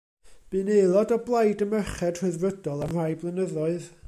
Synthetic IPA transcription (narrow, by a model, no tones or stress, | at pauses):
b̥ɨːnejlˠɔdɔblˠajdəməχɛd̥r̥ɨðrədɔlˠamr̥ajblˠənəðɔɨð